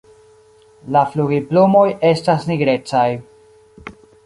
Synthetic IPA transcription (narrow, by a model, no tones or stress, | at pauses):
lafluɡiplumo̞je̞stasniɡɾe̞t͡saj